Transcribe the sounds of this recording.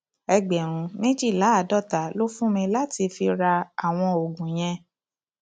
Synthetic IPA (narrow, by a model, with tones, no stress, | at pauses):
ɛ˧ɡ͡bɛ˨ɾ̃ũ˨˦mẽ˦d͡ʒi˦˨la˨˦a˨dɔ˦˨ta˨˦lo˦fũ˦mĩ˧la˦ti˧fi˧ɾa˧a˨w̃ɔ̃˧o˨ɡũ˨j̃ɛ̃˧